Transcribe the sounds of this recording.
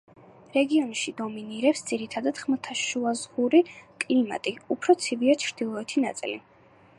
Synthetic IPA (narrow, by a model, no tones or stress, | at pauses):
ɾɛɡiɔnʃid̪ɔminiɾɛpsd̪z̥iɾit̪ʰad̪ad̪̥χmt̪ʰaʃuazʁuɾikʼlima̰t̪ʼiupʰɾɔt̪sʰiviat͡ʃʰɾd̪̥ilˠɔɛt̪ʰinat̪sʼḭlḭ